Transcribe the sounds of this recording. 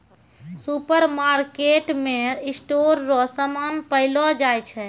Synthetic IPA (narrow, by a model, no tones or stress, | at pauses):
supəɾmaɾkeʈmeisʈoɾːɔsəmanpəɪlɔd͡ʒajt͡ʃʰɛ